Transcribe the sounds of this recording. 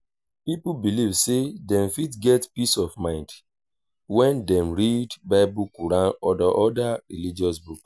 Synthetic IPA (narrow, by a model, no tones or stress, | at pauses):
pipubilivsedɛ̃mfitɡɛtpisɔvmãɪ̃nd | wɛ̃ndɛ̃mɹidbaɪbukuɾãnɔdaʔɔdaɹilid͡ʒɔs̬buk